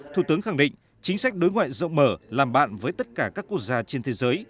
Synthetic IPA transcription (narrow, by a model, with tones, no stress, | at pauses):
t̪ʰu˨˧˩t̪ɨ˨˦əŋxa˧˩ŋɗḭ̈˧˨ŋ̟ | t͡ɕï˨˦ŋ̟sa˦˥k̟̚ɗo˨˦jŋwa̰ː˧˨jzə̰˧˨wŋ͡mməː˧˩laː˨˩mɓa̰ː˧˨nvəː˨˦jt̪ə˦˥t̚kaː˧˩kaː˦˥kːu˦˥ək̚zaː˧t͡ɕe˧nt̪ʰe˨˦zəː˨˦j